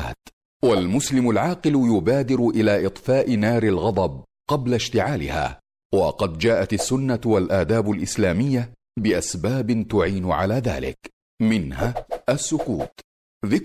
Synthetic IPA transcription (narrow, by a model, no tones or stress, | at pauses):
t̪ | walmʊslɪmʊlʕɑːqɨlʊjʊbaːd̪ɪɾʊʔɪlaːʔɪt̪ˤfaːʔɪnaːɾɪlɣɑd̪ˤɑb̚ | qɑblaʃt̪ɪʕaːlɪ̰ha̰ː | wɑqɑd̪d͡ʒaːʔat̪asːʊnːawalʔaːd̪aːbʊlʔɪslaːmɪjːa | bɪʔasbaːbɪt̪ʊʕiːnʊʕalaːða̰ːlɪ̰k | mɪnhaasːʊkṵːt̪ | ðɪk